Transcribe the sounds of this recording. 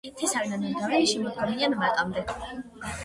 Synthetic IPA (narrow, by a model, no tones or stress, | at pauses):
it̪ʰisaɾnaniɾd̪avɛniʃɛmɔd̪ɡɔmianmat̪ʼamd̪ɛ